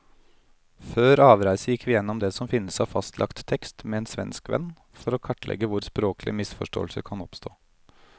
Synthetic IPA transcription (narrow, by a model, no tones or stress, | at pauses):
føːɾɑːʋɾæɪsəjɪkʰːʋɪːjɛnːɔmd̪ɛːsɔmfɪnːəsɑːʋfɑst̪ʰlʔɑ̰kt̪ʰːɛkst̪mɛeːnsʋɛ̰nskʋɛ̰nː | fɔɾoːkʰɑʈːlʔɛ̰ɡəʋʊɾspɾoːklʔɪ̰mɪsfɔʂʈo̰ːlsəkʰɑnɔpst̪ʰo̰ː